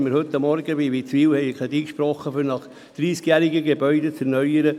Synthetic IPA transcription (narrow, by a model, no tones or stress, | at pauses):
məɾhɵt̪ːɑmːɔɾɡəbiʋit͡sʋiːwhɛjkʰʁɛd̪iːkʃpɾɔχːəfynɑχ | d̪̥ɾiːskjæːɾiɡəɡebœʏd̪et͡sɛɾnœʏəɾə